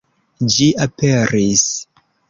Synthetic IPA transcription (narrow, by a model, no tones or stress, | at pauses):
d͡ʒiʔapeɾis